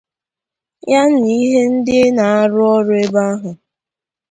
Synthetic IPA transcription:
ja˦n̩˦i˦ɦe˦n̩˦dɪ˦na˨a˦ɾʊ˦ɔ˦ɾʊ˦e˦ba˦a˦ɦʊ˨

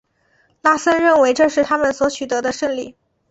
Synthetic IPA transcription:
la˥˩sə˥nɻə˥˩nwe˧˥ɪʈ͡ʂɤ˥˧ʂɻ̩˥˩t̪ʰa˥mə˨nswɔ˧˥t͡ɕʰy˨˩t̪ɤ˧˥d̪ə˧ʂə˥˧ŋli˥˩

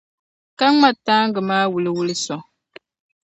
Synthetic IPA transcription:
ka˦ŋa˦˨tːaː˦ŋ˦ɡɨ˨maː˦wu˨lɨ˦wu˦lɨ˦sɔ˨

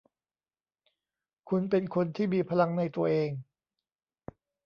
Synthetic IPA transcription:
kʰu˧npe˧nkʰo˧nt̪ʰiː˥˩miː˧pʰa˧la˧ŋna˧jt̪u˧ɐʔeː˧ŋ

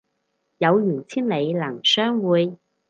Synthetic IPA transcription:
jɐ˨˧wjyː˨˩ŋt͡sʰiː˥nle˨˧jlɐ˨˩ŋsœː˥ŋwuː˨˧j

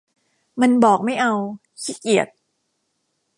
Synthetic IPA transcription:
ma˧nbɔː˨˩k̚ma˥˩jʔa˧w | t͡ɕʰi˦˥ki˨˩ət̪̚

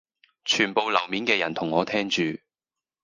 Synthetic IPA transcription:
t͡ʃʰyː˨˩npo˨˧wlɐ˨˩wmiː˨˥nkɛː˧jɐ˨˩nt̪ʰʊ˨˩ŋːɔː˨˧t̪ʰɛː˥ŋt͡ʃyː˨

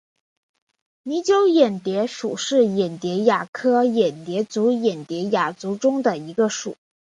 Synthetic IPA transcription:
ni˧˥t͡ɕjo˥ʊjɛ˨˩nt̪jɛ˧˥ʂu˨˩ʂɻ̩˥˩jɛ˨˩nt̪jɛ˧˥ja˨˩kʰɤ˥jɛ˨˩nt̪jɛ˧˥t͡su˧˥jɛ˨˩nt̪jɛ˧˥ja˨˩t͡su˧˥ʈ͡ʂʊ˥ŋd̪ə˨i˧˥ɡə˧ʂṵ˨˩˦

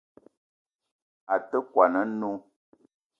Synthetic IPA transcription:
a˨tə˦kwa˨nə˦no˦

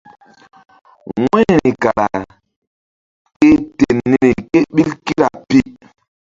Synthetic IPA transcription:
ŋwɛ˦ni˨ni˨ka˨la˨ | ke˦te˨nːi˦ni˨ke˦ɓi˦lki˦ɾa˨pi˦ʔ

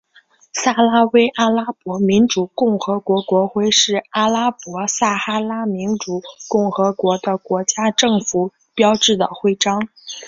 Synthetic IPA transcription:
sa˥˩la˥we˥ɪʔa˥la˥pwɔ˧˥mi˧˥nʈ͡ʂu˨˩kʊ˥˩ŋxɤ˧˥kwɔ˧˥kwɔ˧˥xwe˥˧ɪʂɻ̩˥˩a˥˩la˥pwɔ˧˥sa˥˩xa˥la˥mi˧˥nʈ͡ʂu˨˩kʊ˥˩ŋxɤ˧˥kwɔ˧˥d̪ə˧kwɔ˧˥t͡ɕja˥ʈ͡ʂɤ˥˩ŋfu˨˩ | pjɑ˥ʊʈ͡ʂɻ̩˥˩d̪ə̰˩xwe˥˩ɪʈ͡ʂɑ˥ŋ

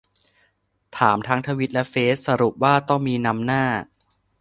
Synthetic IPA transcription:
t̪ʰaː˩˦mt̪ʰaː˦˥ŋt̪ʰaː˧wi˦˥t̪̚lɛ˦˥feː˦˥t̪̚sa˧ɾu˨˩p̚waː˥˩t̪ɔ˥˩ŋmiː˧na˦˥mnaː˥˩

